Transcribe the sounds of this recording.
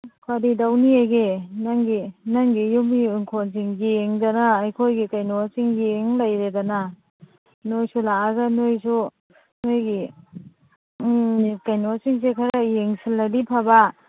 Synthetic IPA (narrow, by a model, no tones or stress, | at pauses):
kʰwadidawniaɡenaŋɡinaŋɡijumiɯŋkʰons̬iŋɡieŋdanaːjkʰojɡikajnoasiŋɡieŋlajɾedana | nojsulaaɡɐnojsu | nojɡi | kajnosiŋs̬ekʰaɾajeŋsilːadipʰaba